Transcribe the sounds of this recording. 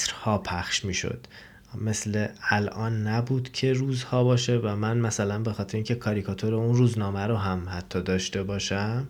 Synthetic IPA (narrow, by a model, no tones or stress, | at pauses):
sɾhɒːpʰæχʃmiːʃo̰d̪̥ | me̞sle̞ælʔɒːnːæbuːd̪̥cʰe̞ɾuːzhɒːbɒːʃe̞væmænmæsælænbe̞xɒːt̪ʰeɾeiːŋcʰe̞kʰɒːɾikʰɒt̪ʰoɾeunruːznɒːmæɾoɦæmhæt̪ʰːɒːd̪ɒːʃt̪e̞bɒːʃæm